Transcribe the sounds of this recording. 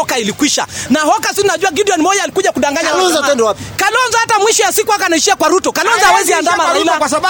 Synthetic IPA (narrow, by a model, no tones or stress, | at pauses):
ɔkailikwiʃa̰nahɔkasiinaʄuwaɡidiɔnmɔjaːlikuʄakuɗaŋɡaɲalɔnzɔtɛndɛwapikalɔnzɔhatamwiʃɔjasikuakanaiʃiakwaɾutɔkalɔnzɔawɛziandaːmasailakwasa